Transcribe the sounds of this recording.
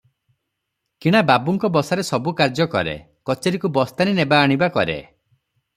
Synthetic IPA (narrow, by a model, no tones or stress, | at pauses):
kiɽ̃ababuŋkɔbɔsaɾesɔbukaɾd͡ʒɔkɔ̰ɾḛ | kɔt͡ʃeɾikubɔst̪aninebaːɽ̃ibakɔ̰ɾḛ